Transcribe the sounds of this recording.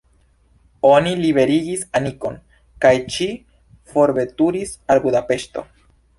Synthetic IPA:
o̞niliβe̞ɾiɡisaniko̞n | kajt͡ʃi | fo̞ɾbe̞tuɾisalbud̪ape̞ʃto̞̰

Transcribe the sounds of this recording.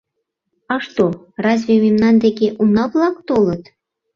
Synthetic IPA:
ɑʂt̪o | rɑzʲvʲemʲimnɑnd̪ekʲeʔunɑplˠɑkt̪olˠɤ̆t̪

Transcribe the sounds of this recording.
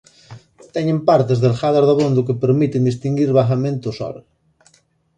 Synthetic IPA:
t̪ɛɲẽmpaɾt̪ezðelxaðaɾðaβond̪ʊkepeɾmit̪end̪ist̪iŋɡiɾβaxamẽnt̪ʊsɔ̰ɾ

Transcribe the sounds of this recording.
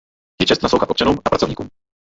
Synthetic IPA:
jɛt͡ʃɛst̪naslowxat̪ʔopt͡ʃanuːmapɾat͡sovɲḭkṵm

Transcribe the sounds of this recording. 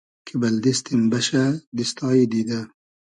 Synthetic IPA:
kʰibɐld̪ist̪imbɐʃad̪ist̪ɑːid̪id̪a

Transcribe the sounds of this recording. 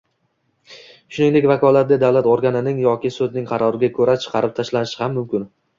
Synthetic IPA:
ʃʊnɪŋd̪e̞kʲvakʰɒlˠat̪̚d̪ʲad̪awlat̪oɾɡʲanɪnɪŋjɒkʲɪsɵd̪nɪŋqʰɑɾɒɾɪɡʲakʰɵɾat͡ʃʰɨ̥qʰɑɾɪp̚t̪ʰaʃlanɪʃɪhamːʊmkʲɪn

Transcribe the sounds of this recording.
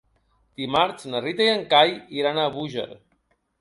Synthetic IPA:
t̪imaɾt͡snərit̪ejaŋkajiɾanaβuʒḛɾ

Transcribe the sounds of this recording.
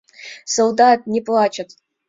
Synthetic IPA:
solˠd̪at̪̚nʲɪplˠat͡ʃɐt̪

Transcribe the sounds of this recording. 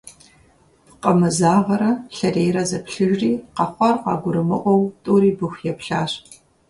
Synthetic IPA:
pqɐmɨzaːʁɐɾɐɬɐreːjɾɐzɐpɬɨʒriːqɑχʷɑrqɑ̰ːɡʷʊɾɨmɨʔʷɔwtʼuːɾiːbɨxʷjɛpɬaːɕ

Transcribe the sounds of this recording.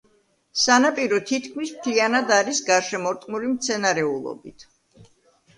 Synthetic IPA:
sanapʼiɾɔt̪ʰit̪ʰkʰmismt̪ʰlianad̪aɾisɡaɾʃɛmɔɾt̪ʼmulimt̪sʰɛnaɾɛulˠɔ̰bit̪ʰ

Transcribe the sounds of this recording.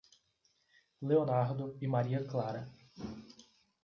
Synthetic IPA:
leonaɾd̪ʊɪmaɾiɐklaɾɐ

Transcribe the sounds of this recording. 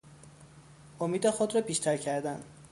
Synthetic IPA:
ʔomiːd̪exod̪ɾɒːbiːʃt̪ʰæɾcʰæɾd̪æn

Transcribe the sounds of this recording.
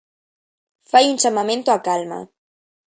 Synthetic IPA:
fajunʲt͡ʃamamẽnt̪oakalma̰

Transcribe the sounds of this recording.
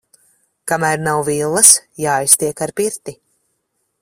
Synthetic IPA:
kamæːɾnawvilˠːɐsjaːjst̪iɛkaɾpiɾt̪i

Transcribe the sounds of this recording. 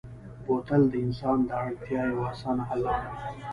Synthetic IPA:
pot̪əld̪əɪnsɑnd̪əaɽt̪jɑjewɑsɑnaɦalakɽa

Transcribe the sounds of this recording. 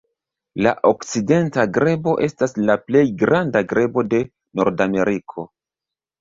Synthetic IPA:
la̰ʔokt͡side̞ntaɡɾe̞bo̞ʔe̞staslaple̞jɡɾandaɡɾe̞bo̞de̞ | no̞ɾdame̞ɾikʰo̞

